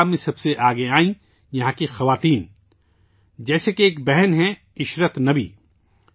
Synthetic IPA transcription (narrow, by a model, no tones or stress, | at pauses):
mːẽsɐbseʔaːɡeaːĩ | jɐɦãkixɐʋaːt̪iːn | d͡ʒɛːsekeeːk̚bɛɦɛnɦɛ̃ | ɪʃɾət̪nɐbḭː